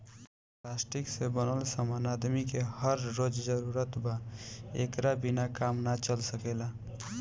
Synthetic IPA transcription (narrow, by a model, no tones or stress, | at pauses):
plasʈiksebənəlsəmanad̪mikehəɾːod͡ʒd͡ʒəɾuɾət̪baḛkɾabinakaːmnat͡ʃəlsəkela